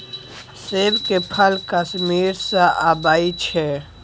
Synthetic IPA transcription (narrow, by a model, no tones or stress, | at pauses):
seːbkepʰəlkəʃmiːɾsaʔaːbaːit͡ʃʰɛ